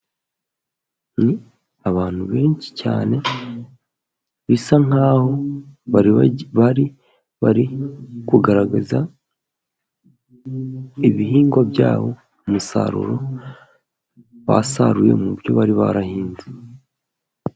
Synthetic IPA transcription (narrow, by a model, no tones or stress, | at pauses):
ni | aβaːn̥huβe̞ːɲt͡ʃi̥ca̰ːne | βisaŋ̥aːho̞βaβaɾi | βaɾikuɡaɾaɡaza | iβihiːŋɡwabja̰ːβo̞ | umusa̰ɾṵɾo̞ | βa̰saɾuje̞̰mubjo̞̰βaɾiβa̰ɾahiːnze